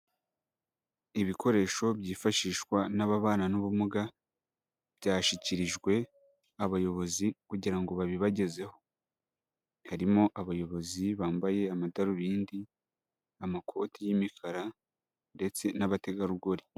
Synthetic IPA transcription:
iβiko̞ɾe̞ːʃo̞bjiːfaʃiːʃkwanaβaβaːnanuβumuɡa | bɟaːʃiciɾiʒɡwe̞ | aβajo̞βo̞zikuɟiɾaŋɡo̞βaβiβaɟe̞ze̞ho̞̥ | haɾimo̞ʔaβajo̞βo̞ziβaːmbaje̞amadaɾuβiːndi | amakʰo̞tijimikaɾa | nde̞t͡se̞naβate̞ɡaɾuɡo̞ɾi

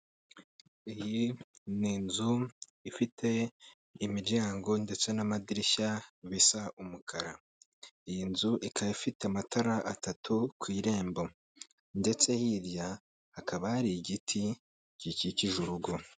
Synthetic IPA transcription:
ijiniːnzu | ifitʰe̞ | imiɾɟaːŋɡo̞nde̞t͡se̞namadiɾiçaβisaʔumukʰaɾa | ijinzuʔikaafiteamatʰaɾaʔatatukwiːɾe̞ːmbo̞ | nde̞t͡se̞hiːɾja | hakaβahaɾiɟitʰi | ciciciʒuɾuɡo̞

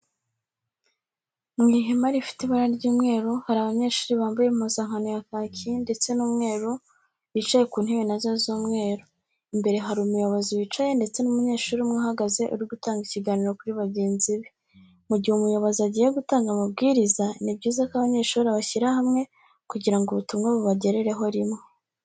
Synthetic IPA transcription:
ŋɡiɦemaɾifi̥tiβaɾaɾɟuːmŋe̞ːɾohaɾaβaɲe̞ːʃuːɾiβaːmbujemuzaŋ̥anojakacinde̞t͡se̞nuːmŋe̞ːɾo | βit͡ʃaje̞kuːn̥hiβenazazoːmŋe̞ːɾo | imbe̞ɾe̞ɦaɾimujoβoziwit͡ʃaje̞nde̞t͡se̞numuɲe̞ːʃuːɾimŋoɦaɡaze̞ʔṵɾiɡutaːŋɡiciɡaːniɾo̞kuɾiβaɟe̞ːnziβi | muɟihumujoβaziaɟijeɡutaːŋɡamab̚ɡiːɾizanibɟiːzakaβaɲe̞ːʃuɾaβaçiɾahamŋe̞ | kuɟiɾaŋɡuβutumŋeβuβaɟe̞ɾeɾe̞ɦo̞ɾimŋe

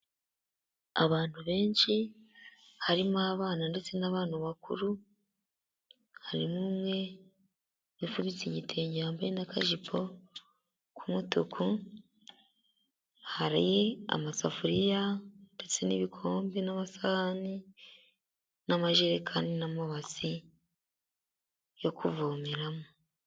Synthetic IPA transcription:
aβaːn̥huβe̞ːnʃi | haɾimuaβaːnande̞t͡se̞naβaːnaβakṵɾu | haɾimumwe̞ | βifuβit͡siɲitʰeɲaːmbajenakʰaʒipʰo̞ | kʰumutukʰu | haɾajea̰masafuɾijande̞t͡se̞niβikʰo̞ːmbinaβasaani | namaʒeɾekʰaːndinamoβasi | jo̞kʰuvoːmeɾamo

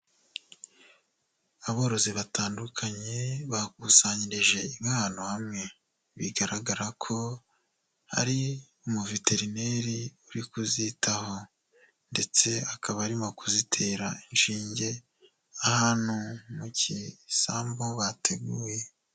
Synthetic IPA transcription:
aβo̞ːɾo̞ziβataːndukʰaɲe̞βak̚usaːɲiɾiʒe̞imɡaːnohamŋe̞ | βiɡaɾaɡaɾakʰo̞ | ha̰ɾi | umuvite̞ɾine̞ɾiuɾikuzitʰaho̞ | nde̞t͡se̞akʰaβaɾimo̞kuzitʰe̞ːɾainʃiːɲɟe̞ | ahaːnhumucisaːmbo̞βatʰe̞ɡuːje

